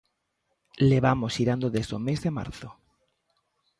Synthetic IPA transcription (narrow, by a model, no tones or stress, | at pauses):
leβamosiɾand̪oðezomezðema̰ɾθo